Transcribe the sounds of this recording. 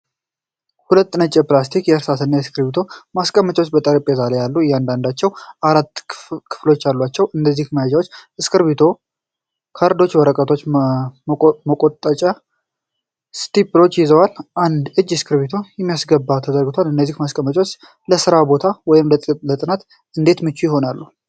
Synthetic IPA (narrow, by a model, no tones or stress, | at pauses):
hulət̪ːnət͡ʃʼːɛplast̪ʰikjɛəɾsat̪ʰɨnːajɛskʰɨɾbit̪ʰo̞maskʼəmːət͡ʃʼwot͡ʃːbət̪ʼəɾipʼezalejalːujɛand̪and̪at͡ʃːɛwaɾat̪ːkʰɨ̥flo̞t͡ʃːjalːwat͡ʃːɛwʔɨnd̪əzːihməjad͡ʒawot͡ʃːɨskʰɨɾβit̪ʰo̞ | kʰaɾd̪o̞t͡ʃːwəɾəkʼət̪ʰo̞t͡ʃː | məkʼot̪ʼət͡ʃʼa | st̪ʰiplo̞t͡ʃːjɪzəwalʔand̪ɨd͡ʒːɪskʰɨɾβit̪ʰo̞jɛmːijasɡəbːat̪ʰəd̪əɾɡɨt̪ʰwalɨnːəzːihmaskʼəmːət͡ʃʼwot͡ʃː | ləsɨɾabo̞t̪ʰawɔjɪmlət̪ʼt̪ʼlət̪ʼɨnat̪ | ɨnd̪e̞t̪mɨt͡ʃːujɪhɦo̞nalːu